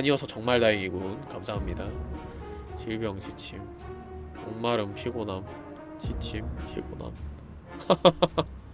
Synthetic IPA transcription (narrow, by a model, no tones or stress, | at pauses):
aɲiwʌsʰʌt͡ɕʌŋmaɭdaiŋiɡunkamsʰaɦamɲida | t͡ɕiɭbjʌŋɕʰit͡ɕʰim | onmaɾɯmpʰiɡonam | ɕʰit͡ɕʰimpʰḭɡona̰m